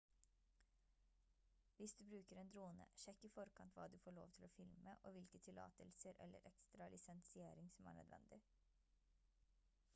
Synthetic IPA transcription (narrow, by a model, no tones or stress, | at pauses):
ʋɪsd̪ʉːbɾʉːkəɾeːnd̪ɾuːnə̰ʃɛkːɪːfɔɾkʰɑnt̪ʰʋɑ̰ːd̪ʉfoːɭo̰ːʋt̪ʰɪloːfɪlməʔoːʋɪlkət̪ʰɪlɑ̰ːt̪əlsəɾʔɛ̰lːə̰ɾʔɛkst̪ɾɑlʔɪsɛnsɪeːɾɪŋsɔmæ̰ːɳœ̰d̪ʋɛ̰nd̪ɪ